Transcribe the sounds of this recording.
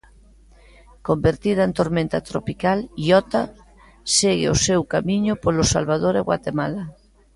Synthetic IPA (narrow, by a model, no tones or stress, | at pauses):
kombeɾt̪ið̞aent̪oɾmẽnt̪at̪ɾopikaliɔt̪a | seɣḛosewkamiɲopolosalβað̞oɾeɣwa̰t̪emala